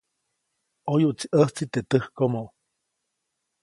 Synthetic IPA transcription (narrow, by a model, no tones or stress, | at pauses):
ojuʔt͡siʔəht͡sit̪et̪əhkomoʔ